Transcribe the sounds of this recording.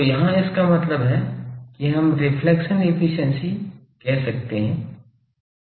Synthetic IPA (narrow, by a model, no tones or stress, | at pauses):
ojɐɦãɪskamɐt̪ləbɦɛkiɦɐmɾɪpʰlɛkʃənefʰɪʃənsikɛɦsɐk̚t̪eɦɛ̃ː